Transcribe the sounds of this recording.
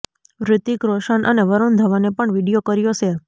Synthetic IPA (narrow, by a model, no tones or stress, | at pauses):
ʋɾɪt̪ikɾoʃanʔə̰neʋəɾond̪ʱəʋanepəɳʋiɽijokəɾjot͡ʃʰe